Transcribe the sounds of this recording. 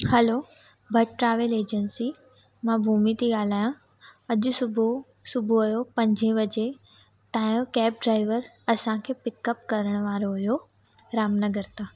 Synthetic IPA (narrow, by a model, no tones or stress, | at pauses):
hɐlo | bʱɐʈʈɾaːʋeleːd͡ʑənsi | mãbʱuːmit̪ʰiɠaːl̤aːjã | ɐʄʊsʊbʱo | sʊbʱuɐjopɐ̃ɲd͡ʑʱẽʋɐd͡ʑe | t̪ãːjokɛːp̚ɖɾaːɪʋəɾ | ɐsãkʰeːpɪkəp̚kɐɾəɽ̃ʋaːɾoɦʊjo | ɾaːmnɐɡəɾt̪ʰaː